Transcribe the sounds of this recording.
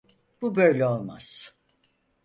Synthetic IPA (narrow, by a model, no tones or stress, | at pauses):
b̥ubøjlʲɛo̞lˠma̰z̥